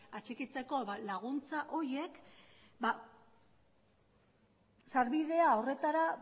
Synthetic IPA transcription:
at͡ʃekit͡se̞ko̞βalaɣunt͡saʔo̞ɾje̞k | ba | saɾβiðe̞ao̞re̞t̪aɾa

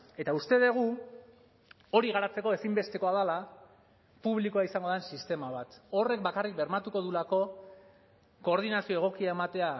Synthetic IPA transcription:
e̞t̪aust̪e̞ð̞e̞ɣ̞u | o̞ɾiɣaɾat͡se̞ko̞e̞simbe̞st̪e̞ko̞aðala | puβ̞likoaisaŋɡo̞ðensist̪e̞maβ̞at̪o̞re̞k̚bakarik̚be̞ɾmat̪uko̞ðulako̞ | ko̞ːɾð̞inasio̞e̞ɣ̞o̞kiae̞mat̪e̞a

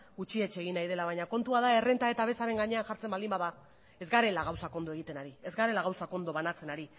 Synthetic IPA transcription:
ɡut͡ʃie̞t͡ʃe̞ɣinːajð̞e̞laβaɲako̞nt̪uaðae̞re̞nt̪ae̞t̪aβe̞saɾe̞ŋɡaɲe̞anʝaɾt͡se̞mbald̪imbaða | e̞zɡaɾe̞laɣawsako̞nd̪oe̞ɣ̞it̪e̞naɾie̞zɡaɾe̞laɣawsako̞nd̪o̞βanat͡se̞naɾi

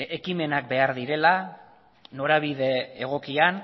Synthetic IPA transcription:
ekime̞nak̚be̞aɾðiɾe̞la | no̞ɾaβiðe̞ːɣ̞o̞kian

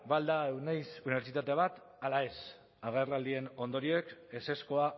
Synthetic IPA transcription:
bald̪aewnejsuniβeɾt͡ʃit̪at̪eβat̪ | alae̞s | aɣe̞rlald̪ie̞no̞nd̪o̞ɾioeke̞se̞sko̞a

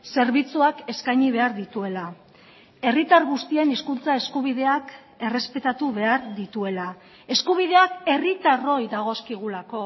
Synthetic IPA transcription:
se̞ɾβit͡suake̞skajɲiβ̞e̞aɾðit̪ue̞la | e̞rit̪aɾɣust̪ie̞niskunt͡sae̞skuβ̞iðe̞ak | e̞re̞spe̞t̪at̪uβe̞aɾðit̪ue̞la | e̞skuβ̞ið̞e̞ake̞rit̪aro̞jðaɣ̞o̞skiɣ̞ulako̞

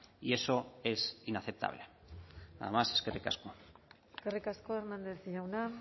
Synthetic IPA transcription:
ie̞so̞e̞sinaθep̚t̪ʰa̰β̞le | a̰ðemaseskerika̰sko | skerikaskoernãnd̪eθʝawna

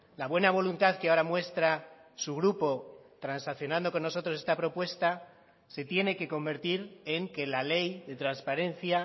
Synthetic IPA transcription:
laβwe̞naβ̞o̞lunt̪aðkeao̞ɾamwe̞st̪ɾa | suɣɾupo̞t̪ɾansakθjo̞nãnd̪o̞ko̞nːo̞s̬o̞t̪ɾos̬e̞st̪apɾo̞pwe̞st̪a | se̞t̪je̞ne̞ke̞ko̞mbe̞ɾt̪iɾe̞ŋke̞lale̞jðe̞t̪ɾanspaɾe̞nθja

